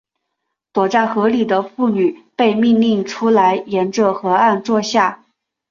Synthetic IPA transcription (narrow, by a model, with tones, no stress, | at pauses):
t̪wɔ˨˩ʈ͡ʂa˥˩xɤ˧˥li˨˩d̪ə˦fu˥˩ny˨˩pe˥˧ɪmi˥˧ŋli˥˩ŋʈ͡ʂʰu˥la˧˥ɪjɛ˧˥nʈ͡ʂɤ˥˩xɤ˧˥a˥˧nt͡swɔ˥˧ɕja˥˩